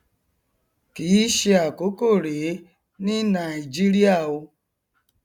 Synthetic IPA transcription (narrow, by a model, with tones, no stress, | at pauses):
ki˨i˦ʃi˦a˨ko˨˦ko˦˨ɾe˨˦ | nɪ˦na˨i˨d͡ʒi˦ɾi˦a˦˨wʊ˦